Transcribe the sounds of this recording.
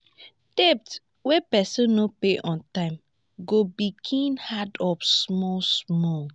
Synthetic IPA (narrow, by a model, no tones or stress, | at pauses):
tep̚t | wepɛsɔ̃nnopeʔɔ̃ntãɪ̃m | ɡobiɡʰĩnhadɔfsmɔlsmɔl